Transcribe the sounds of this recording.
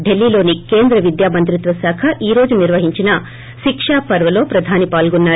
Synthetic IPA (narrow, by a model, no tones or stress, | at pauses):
ɖe̞lːiːlo̞ːnike̞ːnd̪ɾɐʋid̪jaːmɐnt̪̬ɾit̪ʋɐsaːkʰɐʔiːɾo̞ːd͡ʒuniɾʋɐɦiɲt͡ʃinɐ | ʃikʂaːpɐɾʋɐlo̞ːpɾɐd̪ʱaːnipaːlɡunːaːɾ